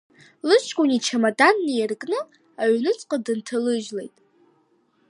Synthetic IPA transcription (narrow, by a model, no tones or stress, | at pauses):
lɨt͡ʃʰʼkʷʼʊnit͡ʃʰamadanːijrkʼnɨ | aɥnɨt͡sʼqʼadɨntʰalɨʒle̞̰jtʼ